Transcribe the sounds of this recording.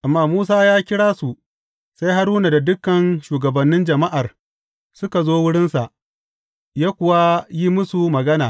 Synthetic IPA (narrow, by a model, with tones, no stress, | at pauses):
ʔa˨mːaː˦muː˦s̬aː˦jaː˦kʲɪ˦ɽaː˦su˨ | sa˦jɦa˦ɽuː˦na˨da˨dʊ˦kːɐ˨nʃuː˨ɡɐ˨bɐ˨nːɪ˦nd͡ʒɐ˨ma˦ʔa˨r | sʊ˦ka˨zoː˦wʊ˦ɽɪ˦nsa˨ʔ | jaː˦kʷʊ˨wa˦ji˦mʊ˦su˨mɐ˨ɡɐ˦naː˨